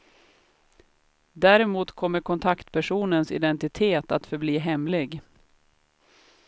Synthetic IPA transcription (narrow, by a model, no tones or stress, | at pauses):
d̪æːɾɛmuːt̪kʰɔmːəɾkʰɔnt̪ʰakt̪pʰæʂuːnənsɪ̰d̪ɛnt̪ɪt̪ʰeːt̪at̪fœɾbliːɦɛmlɪɡ